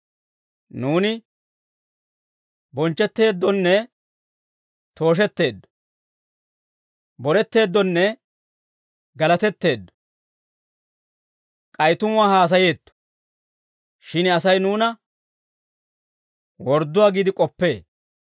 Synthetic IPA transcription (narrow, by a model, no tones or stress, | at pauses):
nuːnɪ | bɔnt͡ʃːɛt̪ːe̞ːd̪ːɔnːɛ | t̪o̞ːʃ̬ɛt̪ːe̞ːd̪ːɔ̥ | bɔɾɛt̪ːe̞ːd̪ːɔnːɛ | ɡɐlɐt̪ɛt̪ːe̞ːd̪ːɔ̥ | kʼɐjt̪ʊmʊaːhaːs̬ɐje̞ːt̪ːɔ̥ | ʃɪnɐsɐjnuːnɐ | wɔɾd̪ːʊwaːɡiːd̪ɪkʼɔpːe̞ː